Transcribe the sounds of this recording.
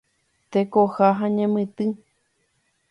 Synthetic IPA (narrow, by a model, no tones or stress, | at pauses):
t̪ekohaɦãɲẽmɨ̃t̪ɨ